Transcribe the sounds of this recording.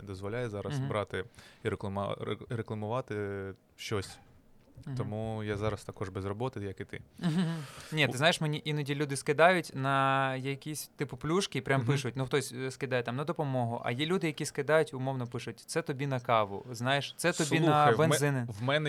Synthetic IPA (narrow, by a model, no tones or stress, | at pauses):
d̪ɔzʋɔlʲajɛzɑɾɐsbɾɑt̪ɪiɾekˠɐm̰ɾeklˠɐmʊʋɑt̪ɪ | ʃt͡ʃɔsʲ | ɔmujazɑɾɐst̪ɐkɔʒbɛzrɔbɔt̪ɪjɐkɪt̪ɪ̰ɦ̩nʲit̪ɪzajɪʃmenʲiʔinɐdʲilʲud̪ɪskɪd̪ɑjʊtʲnɐjɐkʲisʲt̪ɪpʊplʲuʃkʲɪpɾʲʔampɪʂʃʊjt̚ʲnuxt̪ɔsʲskɪd̪ɑjɛt̪ɑmnɐd̪ɔpɔmɔɦʊʔɐ̰jilʲud̪ɪjɐkʲiskɪd̪ɑjʊtʲʊmɔwnɔpɪʃʊtʲt̪sɛt̪ɔbʲinɐkɑʋʊ̰znɑjɪʃt̪sɛt̪ɔsb̪ʲinɐɐjbenzɪnɪʋmɛnɛ